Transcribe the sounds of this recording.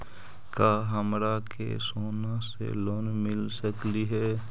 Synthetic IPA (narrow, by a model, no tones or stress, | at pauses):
kaːɦəmɾakḛsoːnasḛloːnmɪlsəkliɦɛː